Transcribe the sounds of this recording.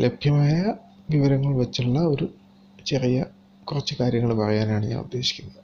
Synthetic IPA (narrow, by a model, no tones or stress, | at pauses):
lʔe̞bʱjɐmaːjɐ | ʋiʋɐɾɐŋːɐɭʋɐt͡ɕːiɭːɐo̞ɾu | t͡ɕe̞rijɐ | kurɐt͡ɕːɨkaːɾjɐŋːɐɭpɐrɐjaːnaːɳɨɲa̰ːnṵd̪je̞ɕi̥kʲːunːɐðɨ